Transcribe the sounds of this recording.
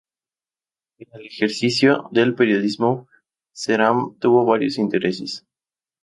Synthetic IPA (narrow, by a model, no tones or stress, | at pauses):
enelexeɾsisjoðelpeɾjo̞ðizmo | seɾamt̪uβo̞βaɾjosint̪eɾeses